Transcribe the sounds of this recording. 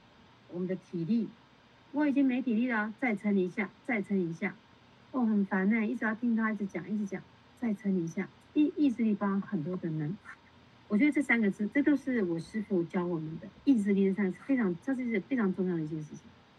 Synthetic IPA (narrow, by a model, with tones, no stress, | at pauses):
wɔ˨˩mə˦nd̪ə˧t̪ʰi˨˩li˥˩ | wɔ˧˥i˨˩t͡ɕi˥ŋme˧˥ɪt̪ʰi˨˩li˥˩t̪ə˥˩t͡sa˥˩ɪt͡sʰə˧˥nli˨˧˥ɕja˥˩t͡sa˥˩ɪt͡sʰə˧˥i˧˥ɕja˥˩ | o˥˩xə˨˩nfa˧˥nna˥˩ni˥˩ʈ͡ʂɻ̩˧jɑ˥˩ʊt̪ʰi˥ŋt̪ʰi˥˩t͡sʰɻ̩˧˥t͡ɕjɑ̰˨˩ŋi˥˩ɻ̩˧˥t͡ɕjɑ̰˨˩ŋ | t͡sa˥˩ɪʈ͡ʂʰə˧˥ni˨˧˥ɕja˥˩ | i˥˧i˥˧s̬ɹ̩˥˧li˥˩pɑ˥˧xə˨˩nt̪̬wɔ˥d̪ə˨˩nə˧˥ŋ˩ | wɔ˨˩t͡ɕɥɛ˧˥d̪ə˧ʈ͡ʂɤ˥˩sa˥nɡə˨˧t͡sɹ̩˥˩ʈ͡ʂɤ˥˩t͡ɕjo˥˧ʊʂɻ̩˥˩wɔ˨˩ʂɻ̩˥fu˧˩t͡ɕjɑ˥ʊwɔ˨˩mə˨˦nd̪ə˦i˥˧s̬ɹ̩˥˧li˥˩ʈ͡ʂə˥˩a˥n̩˧˥˩fe˥ɪʈ͡ʂʰɑ˧˥ŋ˩ʈ͡ʂʂ̩˥˩i˥˩ɡə˩fe˥ɪʈ͡ʂʰɑ˧˥ŋʈ͡ʂʊ˥˧ŋjɑ˥˩ʊd̪ɛ˧˩ʂɻ̩˥˩t͡ɕʰi̥˨˩ŋ